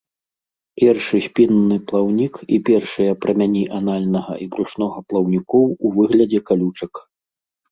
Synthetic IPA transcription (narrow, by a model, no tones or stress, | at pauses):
pʲɛrʂɨsʲpʲinːɨplˠawnʲikḭpʲɛrʂɨjɐpɾɐmʲanʲiʔanalʲnɐɣɐ̰ʔibɾuʂnɔɣɐplˠɐwnʲikɔwuvɨɣlʲɐd͡zʲɛkalʲut͡ʂɐk